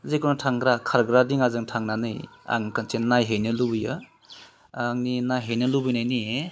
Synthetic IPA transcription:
zekunatʰaŋɡɾakʰaɾɡɾadiŋazɯŋtʰaŋnanɯj | a̰ŋkʰant͡ʃennajɦejnɯlubɯjɯ | aŋninajɦejnɯlubɯjnajnie

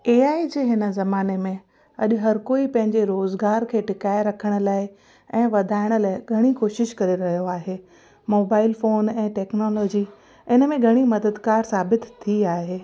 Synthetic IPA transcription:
eːaːid͡ʑeːɦɪnə̆zɐmaːnemẽ | ɐ̰ʄʊ̆ɦɐɾkoːipɐ̃ɦɪ̃ɲd͡ʑeɾoːzɡaːɾkʰeːʈɪkaːɪɾɐkʰəɽ̃ə̆laːɪ | ɛ̃ːʋɐd̪ʱaːɪɽ̃ə̆laːɪɡʱɐɽ̃ikoːʃɪʃkɐɾeɾɐɦijoaːɦeː | moːbaːɪlfoːnɛ̃ːʈɛːknɔːlɔːd͡ʑi | ɪnəmẽɡʱɐɽ̃imɐd̪əd̪kaːɾsaːbɪt̪t̪ʰːiaːɦeː

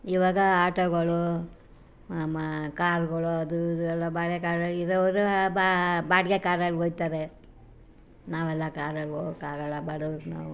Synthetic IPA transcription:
iʋaːɡɐaːʈoɡɐɭu | amɐkaːɾɡɐɭuɐd̪ud̪uɛlːɐbaːɽɡekaːɾɐiɾɐʋɐɾubabaːɽɡekaːɾɐlɦojt̪aːɾe | naːʋɛlːɐkaːɾɐloːkaːɡɐlːɐbaːɽɐɾna̰ːʋu

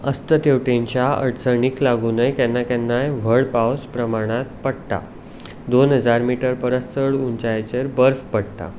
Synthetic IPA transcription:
əst̪ət̪eʋʈeɲt͡ɕjaə̰ɽt͡səɳiklaɡunəjkɛnːakɛnːajʋ̤ʱəɽpawspɾəmaɽ̃at̪̚pəɽt̪a̰ | d̪onɦəd͡zaɾmiʈəɾpəɾəst͡səɽunt͡ɕajt͡ɕeɾbəɾfpəɽt̪a̰

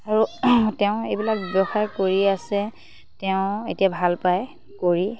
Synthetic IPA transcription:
aɹutɛʊ̃ejbilak̚bɔxaɹkoɹiasɛ | tɛʊ̃etijabʱalpaj | koɹi

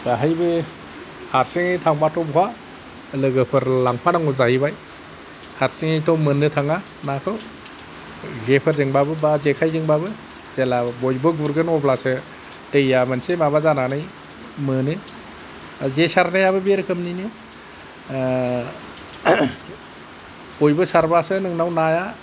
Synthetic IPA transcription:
baɦajbɯ | haɾsiŋitʰaŋbatʰɔbɔɦa | lɯɡɯpʰɯɾlaŋpʰanaŋɔzahibaj | haɾsiŋitʰɔmɯnːɯtʰaŋa | nakʰɯw | ɡepʰɯɾzeŋbabɯbazekʰajzeŋbabɯ | zelabɔjbɯɡuɾɡɯnɔblasɯ | tejamɯnsemabazananɯj | mɯnɯ | zesaɾnajaβɯbeɾkʰɯmnini | bɔjbɯsaɾbasɯnɯŋnawnaja

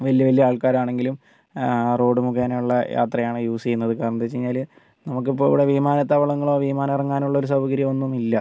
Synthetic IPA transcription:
ʋɐlijɐʋɐlijɐaːɭkaːɾaːɳe̞ŋɡilum | ro̞ːɽɨmuɣaːnejuɭːɐjʔa̰ːt̪rɐjaːɳɨjuːst͡ɕejunːɐðɨkaːɾɐɳɐt̪ːet͡ɕejɲːaːl | nɐmuk̬ːipːoːiʋiɽeʋimaːnɐt̪ːɐʋɐɭɐŋːɐɭo̞ːʋimaːnɐmirɐŋːaːnuɭːɐoɾusɐwɐɡɐɾjɐmo̞nːumilːɐ

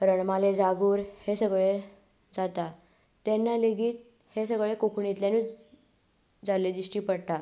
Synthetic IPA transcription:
ɾəɳmaled͡zaɡuːɾhesəɡɭe | d͡zat̪a | t̪enːaleɡiːt̪̚ | hesəɡɭekokʰɳit̪ljaniː | d͡zaled̪iɕʈiːpəɽʈ̪a

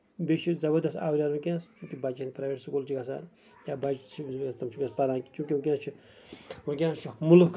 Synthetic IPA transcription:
bet͡ʃʰizɐbɐɾd̪ɐst̪a̰ːwɾʲaːɾũkʲãːst͡ʃũːkʲibaːt͡ʃinipɾaʋeʈsukuːlt͡ʃʰiɡɐs̬a̰ːn | jaːbat͡ʃt͡ʃʰiɐst̪ɐmt͡ʃʰukʲãspalãːki̥t͡ʃũːkʲiũkʲãːst͡ʃʰi | ũk̬ʲjãːst͡ʃʰumulukʰ

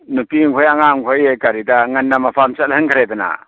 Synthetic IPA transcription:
nupiŋkʰojaŋaŋkʰojekaɾidaŋanːamapʰamsatlhɯŋkʰaɾedana̰

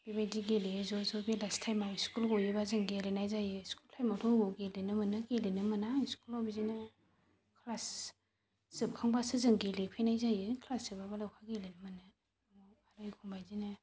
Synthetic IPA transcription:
b̥ibajdiɡelizɔzɔbelastʰajmawskulɡɔjɯbazɯŋɡelenajzajɯskultʰajmatʰɔɡɔɡelenɯmɯnɯɡelenɯmɯnaiskulawbizinɯ | kʰlas | z̥ɯb̚kʰaŋbasɯzɯŋɡelipʰejnajzajɯkʰlasɯbabalakʰaɡelinɯmɯnɯ | mɔ | aɾɯjkʰumbajzinɯ

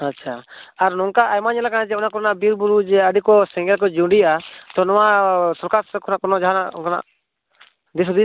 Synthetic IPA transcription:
atːt͡ʃʰaaɾnɔŋkaʔajmaɲalakanad͡ʒɛunaʔkɔɾnaʔbiɾbuɾud͡ʒɛəɖikɔsɛ̃ŋɡɛlk̬ɔd͡ʒũɖijaʔat̪ɔnɔwasɔɾkaɾkɔnaʔkɔnɔd͡ʒaɦana̰kana̰ʔ | d̪isud̪i

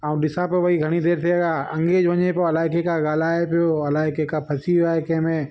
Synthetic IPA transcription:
aːũɗɪsãpɐʋɐiɡʱɐɽ̃id̪ʱeːɾt̪ʰieɡaːɐ̃ŋɡeːd͡ʒʋɐɲepoɐlaːɪkekaɡaːlaːepijoɐlaːɪkekapʰɐsiaːɦekɐ̃ɦmẽ

